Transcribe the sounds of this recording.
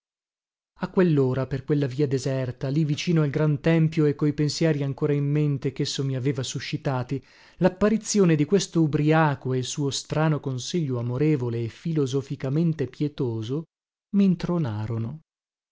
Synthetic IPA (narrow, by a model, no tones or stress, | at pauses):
akːwelːoːɾaperkwelːaviːad̪ezɛrt̪alivit͡ʃiːnoalɡɾant̪ɛmpjoekːojpensjɛːɾiaŋkoːɾaimːent̪ekesːomiaveːvasuʃːit̪aːt̪i | lapːaɾit̪sːjoːned̪ikwest̪oubɾiaːkoeilsuːost̪ɾaːnokonsiʎːoamoɾeːvoleːfilozofikament̪epjet̪oːzo | mint̪ɾonaːɾono